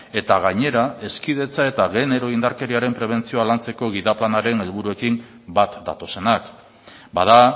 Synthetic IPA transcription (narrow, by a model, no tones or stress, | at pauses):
e̞t̪aɣ̞aɲe̞ɾae̞skið̞e̞t͡sae̞t̪aɣe̞ne̞ɾo̞ind̪aɾke̞ɾiaɾe̞mpɾe̞β̞e̞nt͡sio̞alant͡se̞ko̞ɣ̞iðaplanaɾe̞ne̞lβuɾue̞kim | bat̪d̪a̰t̪o̞se̞nak | baða